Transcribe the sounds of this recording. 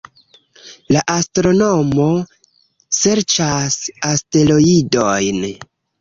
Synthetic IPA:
laʔastɾo̞no̞mo̞ | se̞ɾt͡ʃasaste̞lo̞idojn

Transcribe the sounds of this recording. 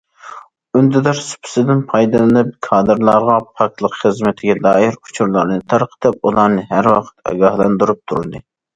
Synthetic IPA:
ynd̪ɪd̪ɑɾsy̥pʰɪ̥sɪd̪ɪnpʰɑjd̪ɨld̪ɨp̚kʰɑːd̪ɨɾlˠɑɾʁɑpʰɑk̪̚ʲlˠəqχəzmɪt̪ʰɪɡʲɛlɑːjiɾu̥t͡ʃʰuɾlˠɑɾnɨt̪ʰɑɾqʰə̥t̪ʰɨp̚ulˠɑɾnɨɦæɾwɑqʰə̥t̪ɑ̰ɡɑhlˠɑnd̪uɾup̚t̪ʰuɾɨd̪ɨ

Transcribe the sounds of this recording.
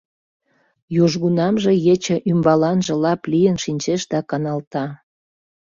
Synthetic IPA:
juʒɣunɑmʒĕjet͡ɕə̆ʔymbɑlɑnʒə̆lɑplijənʃinʲt͡ɕeʃd̪ɑkɑnɑlt̪ɑ

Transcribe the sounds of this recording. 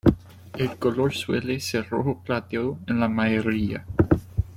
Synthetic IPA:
elkoloɾswḛleseroxoplat̪eoenlamaeɾia̰

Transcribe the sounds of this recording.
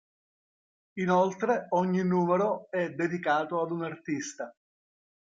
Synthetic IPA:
inɔlt̪ɾeɔɲːinːuːmeɾoɛd̪ːed̪ikaːt̪oad̪unart̪ist̪a

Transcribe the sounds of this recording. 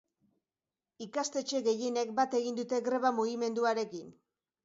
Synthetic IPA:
ikast̪e̞t͡ʃe̞ɣe̞je̞ne̞k̚bat̪e̞ɣind̪ut̪e̞ɡɾe̞βamuɣime̞nd̪uaɾe̞kin

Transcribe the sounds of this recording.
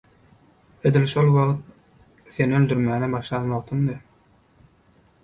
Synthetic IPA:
ed̪ilʃolˠwɑʁt̪̚ | θe̞nøld̪yɾmæːnebɑʃlˠɑnmoʁt̪ʰɯmd̪ɯ

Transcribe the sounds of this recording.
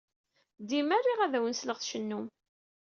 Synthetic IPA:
d̪imærːiʁæðæwənsləʁθʃənːum

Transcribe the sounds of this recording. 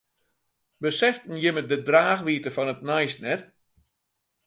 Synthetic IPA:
bəsɛftn̩jɪmədədraːxʋiːtəfɔnət̚najsnɛt

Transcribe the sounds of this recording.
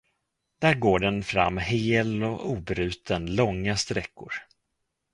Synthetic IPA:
d̪̥æːɾɡoːɖɛnfɾa̰mːɦeːlɔuːbɾʉ̟ːt̪ʰənlɔŋːast̪ɾɛkːʊɾ

